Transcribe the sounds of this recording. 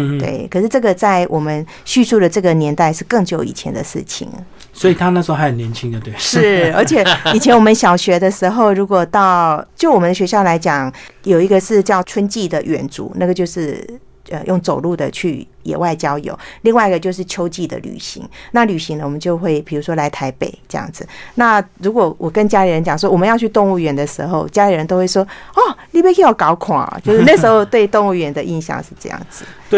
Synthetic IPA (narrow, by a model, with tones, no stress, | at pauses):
t̪wḛ˥˩ɪkʰə˨˩ʂɻ̩˥˧ʈ͡ʂɤ˥˩ɡə˨˩t͡sa˥˩ɪwʔɔ˨˩mə˦n | ɕy˥˧su˥˩d̪ə˩ʈ͡ʂɤ˥˩ɡə˩njɛ˧˦˥nt̪a˥˧ɪʂɻ̩˥˧kɤ˥˧ŋt͡ɕjo˧˩ʊḭ˨˩t͡ɕʰjɛ̰˧˥nd̪ə̰˨ʂɻ̩̰˥˩t͡ɕʰḭ˨˩˦ŋ | swɔ˧˥i˨˩t̪ʰa˦na˥˩ʂ̩˧˥o˥˧a˧ɪə˨njɛ˧˦nt͡ɕʰi˦˥ŋd̪ə˨t̪we˥˩ʂɻɻ̩˥˩ə˞˧˥t͡ɕʰjɛ˨˩i˨˩t͡ɕʰɛ˦˥nwɔ˨mə˦nɕjɑ˨˩ʊɕɥɛ˧˥d̪ə˧ʂɻ̩˧˥xo˥˩ʊɻu˧˥kwɔ˨˩t̪ɑ˥˩ʊt͡ɕjo˥˩ʊwɔ˨˩ə˦nd̪ɕɥɛ˧˥ɕjɑ˥˩ʊla˧˥ɪt͡ɕjɑ˨˩ŋjo˨˩ʊi˧˥ɡə˧ʂɻ̩˥˧t͡ɕjɑ˥˩ʊt͡sʰwə˥nt͡ɕi˥˩d̪ə˨ɥɛ̰˨˩nt͡sṵ˨˦na˥˩ɡə˩t͡ɕjo˥˧ʊʂɻ̩˥˩ | ə˨jʊ˥˩ŋt͡so˨˩ʊlu˥˩d̪ə̰˩t͡ɕʰy˥˩ | jɛ̰˨˩wa˥˩ɪt͡ɕjɑ˥ʊjo̰˨˩˦ʊli˥˧ŋwa˥˩i˧ɡə˩t͡ɕjo˥˧ʊʂ̬ɻ̩˥˩t͡ɕʰjo˥ʊt͡ɕi˥˩d̪ə̰˨ly̰˨˩ɕḭ˧˥ŋna˥˩ly˨˩ɕi˧˥ŋnə˧˨wɔ˨˩ə˦nt͡ɕjo˥˧ʊxwe˥˩ɪpʰi˨˩ɻu˧˥ʂwɔ˥la˧˥ɪt̪ʰa˧˥ɪpḛ˨˩ɪʈ͡ʂɤ˥˧jɑ̰˥˩ŋd͡zɹ̩˩na˥˩ɻu˧˥kwɔ˨˩wɔ˨˩kə˦nt͡ɕja˥li˨˥ɻə˧˦nt͡ɕjɑ˨˩ŋs̬wɔ˥wɔ˨˩mə˦njɑ˥˧ʊt͡ɕʰy˥˧t̪ʊ˥˧ŋu˥˩ɥɛ˧˥nd̪ə˨ʂɻ̩˧˥xo˥˧ʊt͡ɕja˥li˨˥ɻə˧˦nt̪o˥ʊxwe˥˩ʂwɔ˥ɔ˥˩li˥˩pjɛ˥˧kʰe˥jo˨˩kɑ˧˥ʊkʰwa̰˨˩ɐ̰˨˩t͡ɕjo˥˧ʂɻ̩˥na˥˧ɡəʂɻ̩˧˥xo˥˧ʊt̪we˥˧ɪt̪ʊ˥˧ŋu˥˩ɥɛ˨˥nd̪ə˨ʔi˥˧nɕjɑ̰˥˧ŋʂɻ̩˥˧ʈ͡ʂɤ˥˧jɑ̰˥˩ŋd͡zɹ̩˨˩˦